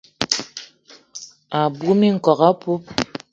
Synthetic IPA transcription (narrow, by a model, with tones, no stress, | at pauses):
a˨bu˦mi˦ŋ̩˨kɔ˨ɣa˦pu˦p̚